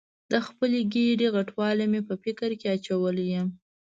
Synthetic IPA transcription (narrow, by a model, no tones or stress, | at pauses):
d̪̥əxpəleɡeɖeɣaʈwɑlemepəfɪkəɾkeat͡ʃawəljəm